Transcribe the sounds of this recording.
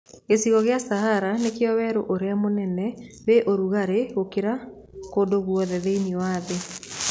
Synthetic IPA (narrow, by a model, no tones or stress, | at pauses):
esiɣɔɣeasahaɾanekeɔwɛɾoʔoɾeamonɛnɛβeʔoɾuɣaɾeɣokeɾa | kodoɣwɔðɛðeiniɔwaðe